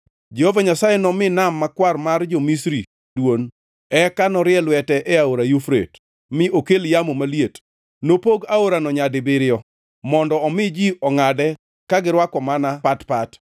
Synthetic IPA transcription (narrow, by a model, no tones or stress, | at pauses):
d͡ʒɛhovaɲasajɛnɔmɪnamːakwarmard͡ʒomisɾi | dwon | ɛkanɔɾɪɛlwɛtɛʔɛaoɾajufɾḛt | mɪʔokeljamomaliet | nopoɡaoɾanɔɲadɪbɪɾɪjɔ | mɔndɔːmɪd͡ʒiɔŋadɛ | kaɡɪɾwakɔmanapatpat